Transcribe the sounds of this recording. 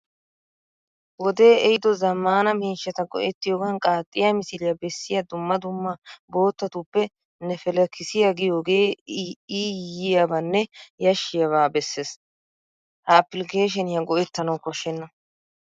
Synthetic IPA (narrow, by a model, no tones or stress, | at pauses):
wɔd̪e̞ːɛjɪd̪ɔzɐmːaːnɐmiːʃːɐt̪ɐɡɔ̰ʔɛt̪ːɪjoːɡɐnkʼaːt̪ʼːɪjamɪsɪlɪjɐbɛsːɪjɐd̪ʊmːɐd̪ʊmːɐbo̞ːt̪ːɐt̪upːɛ | nːɛfɛlɛkːɪsɪjaɡɪjo̞ːɡeːiːjɪjabɐnːɛjɐʃːɪjɐβaːbɛsːeːs | hɐːpɪlɪke̞ːʃ̬ɛnɪjɐɡɔʔɛt̪ːɐnɐwkɔʃːɛnːɐ